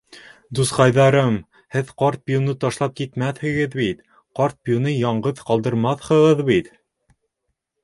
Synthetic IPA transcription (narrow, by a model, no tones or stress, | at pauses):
d̪usqɑjðɑɾɤm | hɘðqɑɾt̪̚bjunɤt̪ɑʃlˠɑp̚kit̪mæθhɘ̆ɡɘðbit̪ | qɑɾt̪̚bjunɤjɑɴɢɤðqɑlˠd̪ɤ̆ɾmɑθhɤ̆ʁɤðbit̪